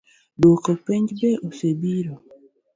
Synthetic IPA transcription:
dokopeɲd͡ʒbeʔosebiɾo

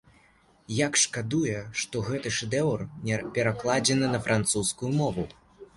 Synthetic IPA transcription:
jakʂkad̪ujɛʂt̪ɔɣɛt̪ɨʂɛd̪ɛwrnʲpʲɛɾaklˠad͡zʲɛnɨnɐfɾʔant̪suskujumɔvu

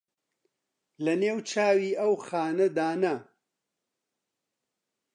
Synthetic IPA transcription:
lɐneːwt͡ʃʰaːwiːɐwxaːnɐd̪aːnɐ

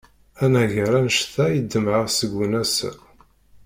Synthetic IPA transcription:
ænæʝəɾænəʃθæjəd̪ːəmʕasəɡʷunæs

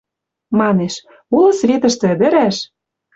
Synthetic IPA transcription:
mɑneʃ | ulɤ̆svet̪ə̆ʃt̪ɘ̆ə̆d̪ə̆ɾæʃ

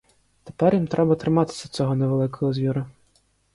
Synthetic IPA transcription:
t̪e̥pɛɾjimt̪ɾɛbɐt̪ɾɪmat̪ɪ̥sʲɐt͡s̪ʲɔɦɔnɛʋɛlˠɪkɔɦɔzʲʋʲiɾɐ

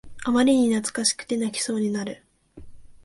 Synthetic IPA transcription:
amaɾʲiɲ̟inat͡sɨ̥kaɕi̥kɯ̟̥t̪e̞nakʲi̥so̞ːɲ̟inaɾɯ̟

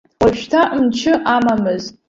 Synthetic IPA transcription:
waʃᶣtʰaʔmt͡ʃʰɪʔamamɨzʼ

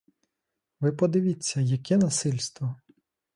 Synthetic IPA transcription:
ʋɪpɔd̪ɪʋʲit͡sʲːɐjɐkʲɛnɐsɪlʲst̪ʋɔ

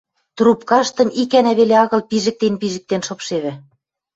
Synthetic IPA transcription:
t̪rupkɑʃt̪ɤ̆mikænæβeleɑɣɤ̆lpiʒɘ̆k̚t̪enpiʒɘ̆k̚t̪enʃopʃeβɘ̆

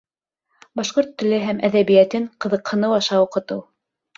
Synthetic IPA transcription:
bɑʃqoɾt̪ːɵ̆lɘɦæmæðæβijæt̪ɘɴqɤ̆ðɤ̆qhɤ̆nɤwɑʃɑuqɤ̆t̪ɤw

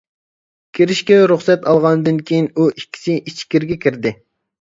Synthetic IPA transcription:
kʲʰiɾɪʃkʲɛwɾuχsɛt̪ɑlˠʁɑnd̪ɨnkʲʰijinuʔikʲʰːi̥sɪʔit͡ʃʰkʲiɾɡʲɛkʲʰiɾd̪ɪ

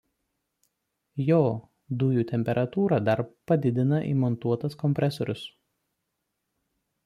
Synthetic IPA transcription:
joː | d̪ʊjuːt̪ʲɛmʲpʲɛɾʔɐt̪uːɾɑd̪ɐɾpɐd̪ʲɪd̪ʲɪnɐʔḭːmɔnt̪uɔt̪ɐskɔmʲpʲɾʲʔɛsɔɾʲʊs

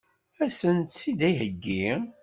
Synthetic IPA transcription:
æsənt̪sid̪æjɦəɡːi

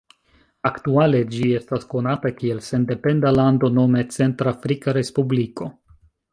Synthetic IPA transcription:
aktuale̞d͡ʒie̞stasko̞natakie̞lse̞nde̞pe̞ndalando̞no̞me̞t͡se̞ntɾafɾikaɾe̞spubliko̞

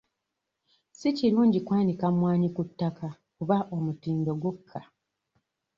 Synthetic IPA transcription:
siciɾuːɲɟikwaːnikamwaːɲikutːakʰa | kuβaʔomutiːndo̞ɡwo̞kʰːa

